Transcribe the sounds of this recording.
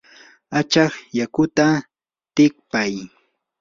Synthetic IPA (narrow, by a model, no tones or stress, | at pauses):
at͡ʃɑχjakʊt̪a | t̪ɪk̚paj